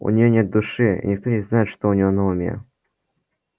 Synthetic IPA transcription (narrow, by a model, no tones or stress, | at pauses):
ʊ̰nʲɪjonʲe̞t̪̚d̪ʊʂɨḭnʲɪk̚t̪onʲɪznajɪt̪ʂt̪oʊnʲɪjonɐʊmʲḛ